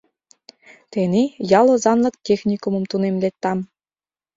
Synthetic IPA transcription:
t̪enejɑlˠŏzɑnlɤ̆k̚tʲexnʲikumɤ̆mt̪unemlet̪ːɑm

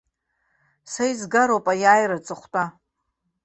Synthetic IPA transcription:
sajzɡaɾowpʼajaːjrat͡sʼɨχʷtʼa

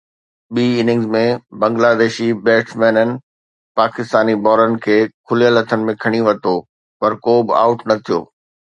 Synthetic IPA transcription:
ɓiːɪnɪ̃ŋzmẽbɐ̃ŋɡlaːd̪eːʃibɛːʈʰmɛːnənɪ̆ | paːkɪst̪aːnibɔːɾənɪ̆kʰeːkʰʊlijələt̪ʰənɪ̆mẽkʰɐɽ̃iʋɐt̪o | pɐɾkoːbɪa̰ːʊʈnɐt̪ʰijo̰ː

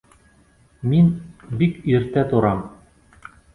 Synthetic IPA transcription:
minbikiɾt̪æt̪oɾɑm

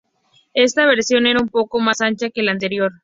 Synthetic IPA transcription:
e̞st̪aβ̞e̞ɾsjo̞ne̞ɾaumpo̞ko̞masant͡ʃake̞lant̪̬eɾjo̞ɾ

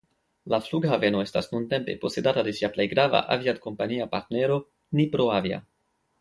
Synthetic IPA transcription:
lafluɡhave̞no̞e̞stasnunte̞mpe̞̰po̞se̞datade̞siaple̞jɡɾava̰ʔaviadko̞mpaniapaɾtne̞ɾo̞ | nipɾo̞avia̰

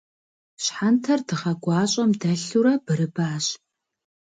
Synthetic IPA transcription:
ɕħantʰɐrdɨʁɐɡʷɑːɕʼɐmdɐɬuɾɐb̥ɨɾɨbaːɕ

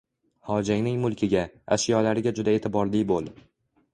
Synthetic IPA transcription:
hɒd͡ʒaŋnɪŋmʊlˠkʲʰɪɡʲaa̰ʃjɒlaɾɪɡʲad͡ʒʊd̪ae̞t̪ʰɪbɒɾlɪjbolˠd̪ɪ

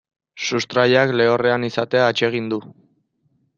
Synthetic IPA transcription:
sust̪ɾaʎakle̞o̞re̞anisat̪e̞aːt͡ʃe̞ɣ̞ind̪u

